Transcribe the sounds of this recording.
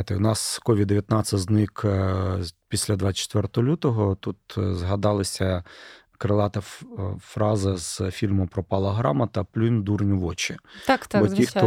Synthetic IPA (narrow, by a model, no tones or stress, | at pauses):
jt̪ɪʊnɑskɔʋʲid̪ːeʋjɐt̪nɑsɐznɪk | pʲisʲlʲɐd̪ʋɑt͡ʃe̥t̪ʋɛrt̪ɔlʲut̪ɔɦɔt̪ut̪zɦɐd̪ɑlˠɐsʲɐ | kɾɪlˠɑt̪ɐfɾɑzɐz̥fʲilʲmʊpɾɔpɑlˠɐɦɾɑmɐt̪ɐplʲund̪urnʲʊʋɔt͡ʃit̪bɔixt̪ɔ